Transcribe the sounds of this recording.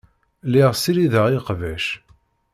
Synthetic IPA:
liʁsiɾiðəʁiqvæʃ

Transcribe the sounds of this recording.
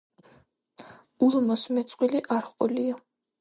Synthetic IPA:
ulˠmɔsmɛt̪sʼqʼwiliʔaɾχʼɔlia

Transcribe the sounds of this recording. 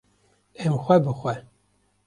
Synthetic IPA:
ɛmxʷɛbɨxʷɛ

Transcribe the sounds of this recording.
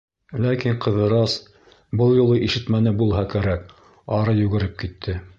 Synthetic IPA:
lækiɴqɤ̆ðɤ̆ɾɑs | bɤlˠjŭlˠɤʔiʃɘ̆t̪mænɘbulˠɦɑkæɾæk | ɑɾɤjʉɡɘ̆ɾɘp̚kit̪ʰːɘ

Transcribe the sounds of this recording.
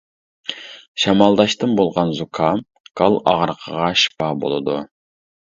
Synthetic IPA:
ʃɑmɑlˠd̪ɑʃt̪ɨnbolˠʁɑnzukʰɑ | ɡ̥ɑlˠɑ̰ʁəɾqʰəʁɑʃpɑbo̰lˠɨ̰d̪u

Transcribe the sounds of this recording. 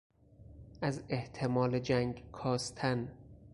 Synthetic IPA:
ʔæzeht̪ʰe̞mɒːled͡ʒæŋɡkʰɒːst̪ʰæn

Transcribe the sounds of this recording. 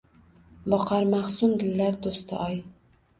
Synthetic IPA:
bɒqʰɑɾmaχsʊmd̪ɪlːaɾd̪ost̪ʰɪ̰ʔɒj

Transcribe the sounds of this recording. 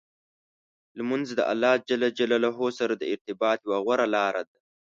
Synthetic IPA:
lmanzd̪əʔa̰lːɑːd͡ʒalad͡ʒalalaɦosaɾad̪əɪɾt̪ɪbɑːt̪jwaɣwaɾalɑːɾʔad̪a

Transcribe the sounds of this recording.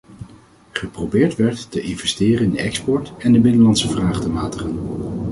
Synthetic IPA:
χəprowbɪːɹtʋɛɹtːəʔɪnvɛstɪːrənɪndəɛkspɔɹtɛndəbɪnəlɑntsəvraːχtəmaːtəχən

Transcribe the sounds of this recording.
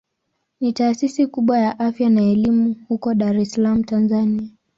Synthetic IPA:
nitaːsisikuɓwajaʔafjanaɛlimuhukɔɗaɾɛsalam̩tanzania

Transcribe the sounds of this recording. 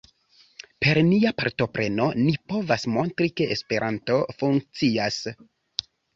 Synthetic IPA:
pe̞ɾniapa̰ɾto̞pɾe̞no̞nipo̞vasmo̞ntɾike̞ʔespe̞ɾʔanto̞fuŋk̚t͡sias

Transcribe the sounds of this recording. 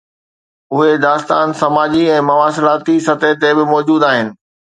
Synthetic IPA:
ʊɦed̪aːst̪aːnsɐmaːd͡ʑiɛ̃ːmɐʋaːsɪlaːt̪isɐt̪et̪ebɪmɔːd͡ʑuːd̪aːɦɪnɪ̆

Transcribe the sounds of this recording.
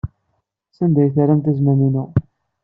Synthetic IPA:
sænd̪æjθaɾæmt̪æzmæninu

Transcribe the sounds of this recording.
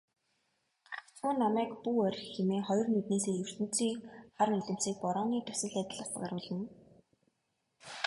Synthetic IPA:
at͡sŭːnːamæːkpuːɔɾ̆ʲxemeːχɔjɞ̆rmet̪neːseːjɵr̥t̪ɘ̆n̥t͡siːkχarmeɮɘ̆m̥t͡siːk̚pɔɾɔːniːt̪ʰʊ̥sɘ̆ɮæt̪ʲɪ̆ɮăst̪ɢaɾʊːɮə̆n

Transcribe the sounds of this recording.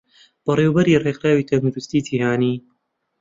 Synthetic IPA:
b̥ɨɾˤeːwbɐɾiːɾˤeːxɾaːwiːt̪ʰɐnud͡ʒust̪iːt̪ihaːniː

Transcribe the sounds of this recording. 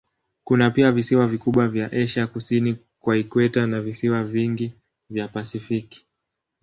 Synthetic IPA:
kunapiavisiwavikuɓwavjaʔɛʃakusini | kwaikwɛtanavisiwaviŋɡi | vjapasifiki̥

